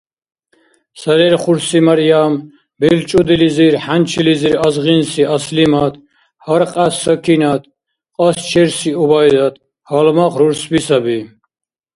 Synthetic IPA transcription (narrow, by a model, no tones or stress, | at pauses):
saɾɛɾχuɾsimaɾjam | bɛlt͡ʃʼud̪iliziɾħant͡ʃʰiliziɾazʁinsiaslimad̪ | haɾqʼasːəkʰinat̪̚ʰ | qʼɔst͡ʃʰɛɾsiubajd̪at̪̚ | halmaχɾuɾsbisabi